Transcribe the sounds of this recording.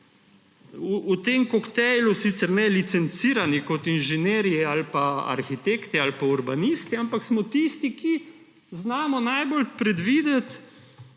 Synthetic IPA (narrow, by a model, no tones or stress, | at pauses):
uːt̪emkɔkt̪ɛjlusit̪sɛɾnɛlit̪sɛnt̪siːɾanikɔt̪inʒɛneːɾijɛalpaa̰ɾxit̪eːkt̪ɛalpauɾbanist̪iampaksmɔt̪ist̪iki | znaːmɔnajbolpɾɛd̪ʋiːd̪ɛt̪